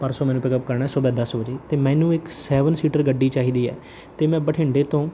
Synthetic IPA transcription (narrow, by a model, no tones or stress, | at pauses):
pəɾsɔːmɛ̃ːnũːpɪkəpkəɾɳaːsobɛːd̪əsbəd͡ʒeːt̪eːmɛ̃ːnũːɪksɛːʋənsiːʈəɾɡəɖːiːt͡ʃaːiːd̪iːɛ̰ː | t̪eːmɛ̃ːbəʈʰɪːɳɖeːt̪õː